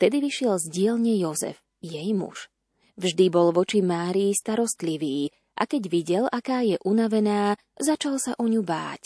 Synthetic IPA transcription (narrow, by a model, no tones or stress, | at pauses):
ft̪ɛd̪iʋiʃɪɛlzɟɪɛlɲɛjɔzɛ̰v | jɛjmṵʒ | vʒd̪ibɔlʋɔt͡ʃimaːɾiːst̪aɾɔst̪liʋiː | ʔa̰kɛɟʋiɟɛlakaːjɛʔunaʋɛnaː | zat͡ʃalsaʔɔɲuba̰ːc